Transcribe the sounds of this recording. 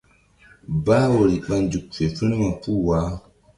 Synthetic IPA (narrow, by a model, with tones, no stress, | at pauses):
ba˦wo˨ɾi˨ɓa˦nd͡ʒu˨k̚fe˨fu˦ni˦ma˨pu˦˨wa˨˦